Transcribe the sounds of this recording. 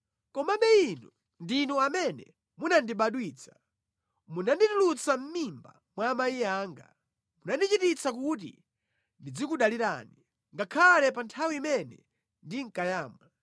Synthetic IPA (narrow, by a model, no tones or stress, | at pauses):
kɔmaɓɛinu | ndinuamɛnɛ̰ | munandiɓaɗwiːt͡sʰḁ | munanditulut͡sam̩mimba̰ | mwamaiaːŋɡa | munandit͡ʃitit͡sakut̬ḭ | ndid͡zikuɗaliɾa̰ːni | ŋɡakʰalɛpantʰawiːmɛnɛ̰ | ndiŋ̩kajaːmwa